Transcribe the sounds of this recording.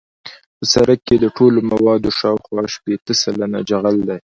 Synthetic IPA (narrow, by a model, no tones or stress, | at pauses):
pəsaɾakːed̪əʈolomawɑd̪oʃɑwxwɑʃpet̪əsalana̰d͡ʒaɣald̪aj